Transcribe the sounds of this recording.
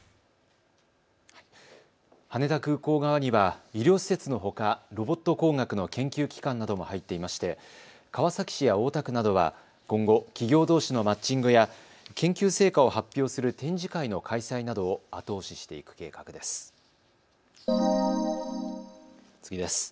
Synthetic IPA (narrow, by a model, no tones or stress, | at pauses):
hane̞t̪akɯ̟ːko̞ːɡaβaɲ̟iβaiɾʲo̞ːɕi̥se̞t͡sɨno̞ɦo̞kaɾo̞bo̞t̪ːo̞ko̞ːŋɡakɯ̟no̞kẽ̞ŋkʲɨːkʲi̥kãnːad̪o̞mo̞hait̪ːe̞imaɕi̥t̪e̞ | kaβasakʲi̥ɕijao̞ːt̪akɯ̟nad̪o̞β̞a̰ | kõ̞ŋɡo̞kʲiɡʲo̞ːd̪o̞ːɕino̞mat͡ɕĩŋɡɯja | kẽ̞ŋkʲɨːse̞ːkao̞hapʲːjo̞ːsɨɾɯ̟t̪ẽ̞ɲ̟d͡ʑikaino̞kʰaisainad̪o̞ːat̪o̞ːɕi̥ɕi̥t̪e̞ḭkɯ̟̥ke̞̰ːkḁkɯ̟d̪e̞sɨ̥ | t͡sɨ̥ɡʲid̪e̞sɨ̥